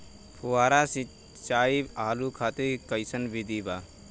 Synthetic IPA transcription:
pʰuaːɾasĩ | t͡ʃaːiaːlukʰaːt̪ekəjsənbʱid̪ibaː

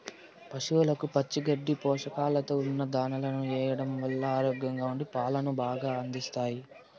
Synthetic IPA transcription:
pɐʂuʋlɐkupɐt͡ʃːiɡɐɖːipɔːʂɐkaːlɐt̪o̞ːunːɐd̪aːnɐlɐnuɛːjɐɽɐmʋɐlːɐːɾoːɡjɐŋɡaːuɳɖipaːlɐnubaːɡaːɐnd̪ist̪aːji

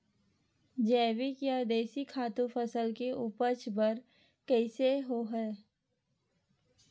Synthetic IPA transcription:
d͡ʒɛːwikjad̪eːsikʰaːt̪ũfʰəsəlkeuːpət͡ʃbəɾ | kɛːseɦoɦɛː

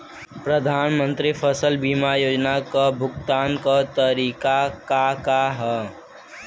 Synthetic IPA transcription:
pɾəd̪ʱaːnmə̃nt̪ɾifʰəsəlbiːmajoːd͡ʒnakabʱʊɡt̪aːnkat̪əɾiːkakakaɦɛ

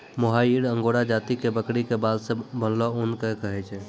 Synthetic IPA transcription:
moɦaiɽəŋɡoɽad͡ʒaːt̪ikebəkɽikebad̪sẽbʱənloʊnkekəɦɛt͡ʃʰɛ

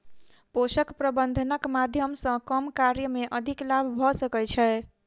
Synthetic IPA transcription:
posəkpɾəbənd̪ʱənəkmad̪ʱjəmsə̃kəmkaɾjəmeʔəd̪ʱiklabʱbʱɔsəkɛt͡ʃʰɛ

